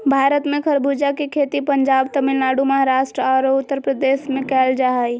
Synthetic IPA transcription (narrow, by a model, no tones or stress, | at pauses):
bʱaːɾət̪mẽkʰəɾbʱud͡ʒakekʰet̪ipəɲd͡ʒaːbt̪əmilnaɽuməɦaɾaʃʈɾəɔɾʊt̪ːəɾpɾəd̪eʃmẽkɛːld͡ʒaaj